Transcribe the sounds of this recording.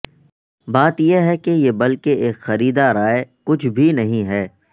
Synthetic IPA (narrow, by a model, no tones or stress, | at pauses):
baːt̪jeɦɛkejebɐlkeeːkxɐɾiːd̪aɾaːekʊt͡ʃʰbʱinɐɦĩɦɛː